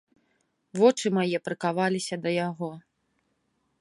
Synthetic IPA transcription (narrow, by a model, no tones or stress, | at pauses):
vɔt͡ʂɨmajɛpɾɨkavalʲisʲɐd̪ɐjaɣɔ